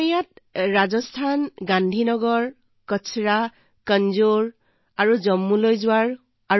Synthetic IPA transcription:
jat̚ɹazɔstʰanɡandʱinɔɡɔɹ | kɔsʰɹa | kənzuɹ | aɹuzɔmːulojzʊwaɹ | a

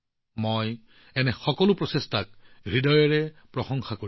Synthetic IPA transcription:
moj | ɛnɛxɔkɔlʊpɹɔsestak̚ɡɹidɔjɔɹɛpɹɔxɔŋxako

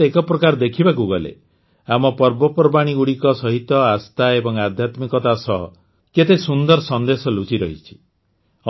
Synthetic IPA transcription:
ekɔpɾɔkaɾd̪ekʰibakuɡɔlḛ | amɔpɔɾbɔpɾbaɽ̃iɡuɽikɔsɔɦit̪ɔast̪aebɔŋad̪ʱjat̪mikɔt̪asɔɦɔ̰ | ket̪esund̪ɔɾɔsɔnd̪esɔlut͡ʃiɾɔ̰ɦit͡ʃʰi̥

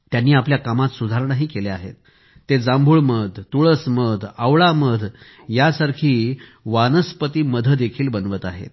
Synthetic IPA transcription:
t̪janːiːapljakamat̪sud̪ʱaɾnaɦiːkeleaɦḛt̪̚ː | ed͡zãmbʱuːɭməd̪ʱt̪uɭəsməd̪ʱaʋɭaməd̪ʱ | jasaɾkʰiːʋanəspət̪iːməd̪ʱəd̪ekʰiːlbənʋət̪aɦḛt̪̚

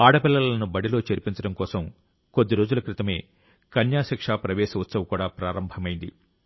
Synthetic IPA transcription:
aːɽɐpilːɐlɐnubɐɽilo̞ːt͡ʃeɾpiɲt͡ʃɐɽɐmkɔːsɐm | ko̞d̪ːiɾo̞ːd͡ʒulɐkɾit̪ɐme̞ː | kɐnjaːsɐkʂaːpɾɐʋɛːʃɐut̪sɐʋɐkuːɽaːpɾaːɾɐmbʱɐmɐjind̪ḭ

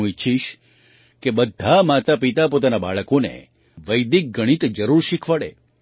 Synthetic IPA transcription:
ũɪtːʃʰiʃ | kebəd̪ʱːamat̪apit̪apot̪anaba̰ɭəkonḛ | ʋəjd̪ik̚ɡəɽ̃it̪d͡ʒəɾuɾʃikʰʋaɭḛ

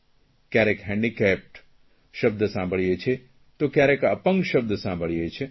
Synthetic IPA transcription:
kjaɾekɦɛ̃ɳɖikɛp̚ʈ | ʃəb̚d̪ʱsãmbʱəɭijet͡ʃʰe | t̪okjaɾekəpəŋɡʃəb̚d̪ʱsãmbʱəɭjet͡ʃʰe

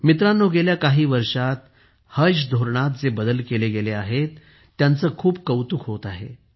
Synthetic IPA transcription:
mit̪ɾanːoɡeljakaɦiːʋəɾʂat̪̚ | həɕd̪ʱoɾɳat̪̚d͡zebəd̪əlkeleɡeleaɦet̪ː | jant͡səːkʰuːb̚kəwt̪ukʰɦot̪aɦḛ

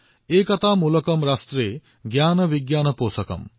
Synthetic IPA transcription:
ekɐt̪ʰamulɐkɐmɾast̪ɾe | ɡjaːnɐbiɡjaːnɐpoːsɐkɐ̰m

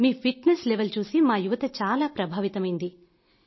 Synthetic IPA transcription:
miːpʰiʈnesleʋɐlt͡ʃuːsimaːjuʋɐt̪ɐt͡ʃaːlaːpɾɐbʱaːʋit̪ɐmɐjind̪i

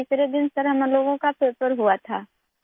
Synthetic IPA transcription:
ɪsɾed̪ɪnsɐɾɦɐmloːɡõkapeːpəɾɦuat̪ʰaː

